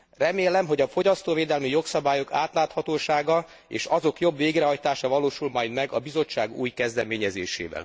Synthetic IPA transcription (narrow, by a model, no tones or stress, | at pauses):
rɛmeːlɛmɦo̞ɟɒfo̞ɟɒst̪oːveːd̪ɛlmijo̞ksɒbaːjo̞kaːt̪laːt̪hɒt̪oːʃaːɡɒ | ḛːʃɒzo̞kjo̞bʋeːɡrɛɦɒjt̪aːʃɒvɒloːʃulmɒjd̪mɛɡɒ̰bizo̞t͡ʃːaːɡṵːjkɛzd̪ɛmeːɲɛzeːʃḛːvɛ̰l